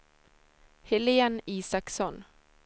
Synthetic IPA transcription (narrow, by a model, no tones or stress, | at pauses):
hɪlɪəniːsɑksɔn